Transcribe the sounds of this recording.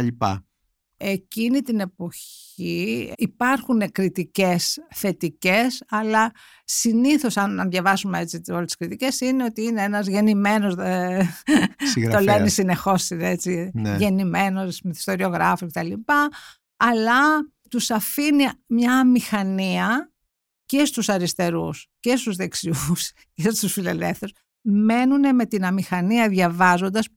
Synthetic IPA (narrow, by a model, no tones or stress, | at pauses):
ɐʎipɐ̰ | ecinit̪ine̞po̞ç | iipɐɾxunekɾit̪ice̞sθe̞t̪ice̞sɐlɐ | siniθo̞sɐnɐnðjɐvɐzumeet͡siolst̪i̥skɾit̪ice̞sineo̞t̪iineenɐzʝe̞nime̞no̞ze | ɾt̪olenisine̞xo̞sinet͡siʝe̞nime̞no̞smiθi̥st̪o̞ɾio̞ɣɾɐfusce̞t̪ɐlipɐː | lɐ | t̪usɐfinimɲɐːmixɐniɐ | ce̞st̪usɐɾist̪e̞ɾṵsce̞st̪uzðe̞ksius | cest̪usfile̞lefθeɾos | me̞nune̞me̞t̪inɐmixɐniɐðʝɐvɐzo̞nd̪ɐs